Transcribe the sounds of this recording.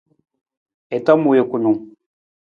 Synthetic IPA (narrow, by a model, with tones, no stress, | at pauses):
ɛ˨ta˦mu˨je˨ku˨nu˨ŋ